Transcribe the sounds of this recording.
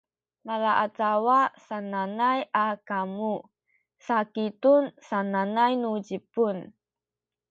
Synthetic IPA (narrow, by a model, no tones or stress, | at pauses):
malaʔat͡sawasananajʔakamu | sakitunsananajnud͡ʑipun